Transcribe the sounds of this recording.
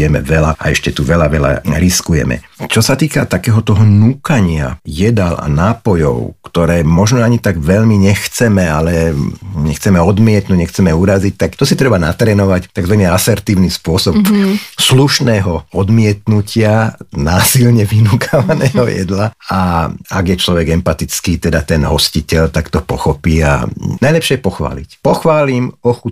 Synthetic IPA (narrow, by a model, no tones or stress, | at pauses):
jɛmɛ̰ʋɛlaa̰ɛʃcɛt̪uʋɛlaʋɛla̰ɾiskujɛ̰mɛ̰t͡ʃɔsat̪iːkat̪akɛːɦɔt̪ɔɦɔnuːkaɲɪa̰jɛd̪ala̰naːpɔjɔ̰ʊkt̪ɔɾɛːmɔʒnɔaɲit̪aɡʋɛʎmiɲɛxt͡sɛmɛalɛɲɛ̰xt͡sɛmɛɔd̪mɪɛt̪nuɟɲɛxt͡sɛmɛuɾazic̚t̪akt̪ɔsit̪ɾɛbana̰t̪ɾɛːnɔʋact̪aɡzʋaɲɛasɛɾt̪iːʊnispʊɔsɔpsluʃnɛːɦɔɔd̪mɪɛt̪nucʰɪanaːsilɲɛʋinukʰaʋanɛ̰ːɦɔjɛ̰d̪laaaɡjɛt͡ʃlɔʋɛɡɛmpat̪it͡skiːt̪ɛd̪at̪ɛnɦɔscicɛʎt̪akt̪ɔpɔxɔpiːa̰najlɛpʃɪɛpɔxʋa̰ːlḭcpɔxʋaːlimɔxu